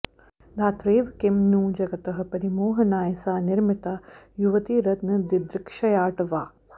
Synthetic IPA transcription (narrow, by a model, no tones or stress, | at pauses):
d̪ʱaːt̪ɾeːʋkɪmnuːd͡ʒɐɡɐt̪ɐɦɐ̆pɐɾimoːɦɐnaːjsaːnɪɾmɪt̪aːjuʋɐt̪iːɾɐt̪nɐd̪id̪ɾɪkʃɐjaːʈɐʋaː